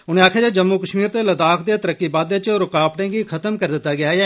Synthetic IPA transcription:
ʊnẽːaːkʰjaːd͡ʒeːd͡ʒəmːuːkəʃmiːɾt̪eːləd̪aːkʰd̪eːt̪əɾəkːiːbaːd̪eːt͡ʃːɾʊkaːpʈẽːɡikʰət̪əmkəɾd̪ɪt̪ːaːɡɪaːɛː

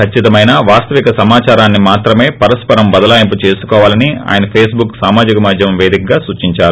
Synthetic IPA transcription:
kʰɐt͡ʃːit̪ɐmɐjnaʋaːst̪ɐʋikɐsɐmaːt͡ʃaːɾaːnːimaːt̪ɾɐme̞ːpɐɾɐspɐɾɐmbɐd̪ɐlaːjɐmp̬ut͡ʃe̞ːsu̥kɔːʋaːlɐnia̰ːjɐnɐpʰeːsbuksaːmaːd͡ʒikɐmad̪ʱjɐmʋe̞ːd̪ikɐɡaːsut͡ʃiɲt͡ʃaːɾu

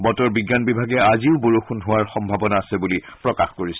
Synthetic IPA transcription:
bɔtɔɹbiɡːanbibʱaɡɛaziʊboɹuxunɦʊwaɹxɔmbʱabɔnaːsɛbulipɹɔkaxkoɹisɛ

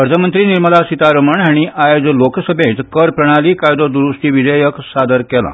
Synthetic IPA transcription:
pəɾt̪ʰəmənt̪ɾiniɾməlasit̪aɾəməɳɦaɽ̃iʔajod͡zlokʰsəbʱjẽt̪kəɾpɾəɽ̃aliːkajd̪od̪uɾusʈ̪iːʋid͡zəjəksad̪əɾkɛlã̰

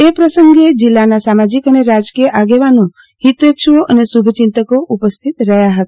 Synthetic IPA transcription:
epɾəsəŋɡed͡ʒilːanasamad͡ʒikəneɾad͡ʒkijəʔaɡeʋanũ | hit̪etʃʋoʔənesubʱət͡ʃɪnt̪əkoʔupəst̪ʰit̪ɾəɦjaɦət̪a

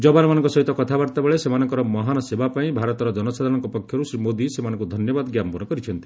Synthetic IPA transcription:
d͡ʒɔbanɔmanɔ̃ŋkɔsɔɦit̪ɔkɔt̪ʰabaɾt̪abeɭesemanɔŋkɔɾɔmɔɦanɔsebʱapaĩbʱaɾɔt̪ɔɾɔd͡ʒɔnɔsad̪ʱaɾnɔŋkɔpɔkʰjɔɾusɾimod̪isemanɔ̃ŋkud̪ʱɔnjɔbad̪ɔɡjampɔnɔkɔɾit͡ʃʰɔnt̪i̥

